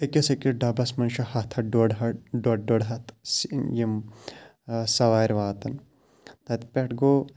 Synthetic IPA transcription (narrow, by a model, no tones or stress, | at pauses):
ekʲesekɾeɖɐbɐsmɐnʃɐhɐt̪ʰɐɖoɽɦɐɖoɖoɽɦɐt̪ʰsjim | sɐʋaːɾʲʋaːt̪ɐn | t̪ɐt̪pʲeʈɡoː